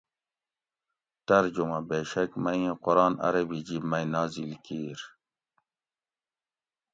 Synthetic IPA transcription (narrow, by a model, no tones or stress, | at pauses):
t̪ɐɾd͡ʑumabeːʃɐkmɐjẽqoɾɑːnɐ̰ɾɐbid͡ʑibmɐjnɑːzilkiːɾ